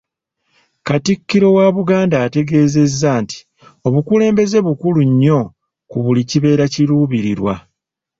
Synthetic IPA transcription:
katikːiɾo̞waβuɡaːndaːte̞ɡe̞ːze̞zːaːnti̥ | o̞βukule̞ːmbe̞ze̞βukuluɲːo̞ | kuβuliciβe̞ːɾaciɾuːβiɾiɾwa̰

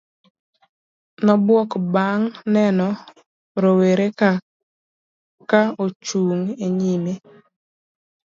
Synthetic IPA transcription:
nɔbwɔkbaŋnɛnɔ | ɾoweɾeka | kaot͡ʃuŋeɲime

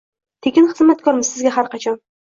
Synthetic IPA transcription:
t̪ʰekʲɪnχɨzmat̪̚kʰɒɾmɪzsɪzɡʲaɦaɾqɑt͡ʃʰɒn

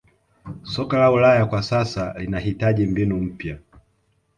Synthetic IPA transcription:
sɔkalaulajakwasasalinahitaʄimbinum̩pja

